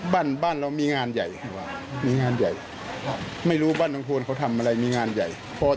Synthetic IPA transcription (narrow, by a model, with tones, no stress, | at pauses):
baː˥˩˨nbaː˥˩˨nɾa˧wmiː˧˥ŋaː˧nja˨˩jkʰa˧˩waː˧˩ | miː˧ŋaː˧nja˨˩j | ma˥˩jɾuː˦˥baː˥˩˨nla˧ŋkʰoː˧nkʰa˧˥wt̪ʰa˧mʔa˧ɾa˧jmiː˧ŋaː˧nja̰˨˩j | pʰɔː˧